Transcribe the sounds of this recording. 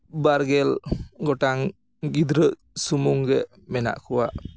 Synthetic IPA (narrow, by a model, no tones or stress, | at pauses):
baɾɡɛlɡɔʈaŋ | ɡid̪ɾəʔ | sumuŋɡɛʔ | mɛna̰ʔkuwa̰ʔ